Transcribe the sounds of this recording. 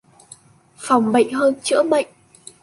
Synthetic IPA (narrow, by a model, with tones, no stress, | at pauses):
fa˨˩wŋ͡mɓə̰˧˨jŋ̟ɦəː˧nt͡ɕɨ̰˧˥əɓə̰˧˨jŋ